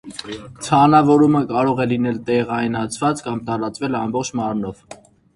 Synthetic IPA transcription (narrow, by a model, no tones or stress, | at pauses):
t͡sʰɑnɑvɔɾuməkɑɾɔʁɛlinɛlt̪ɛʁɑjnɑt͡sʰvɑt͡skɑmt̪ɑɾɑt͡svɛlɑmbɔχt͡ʃʰmɑɾnɔv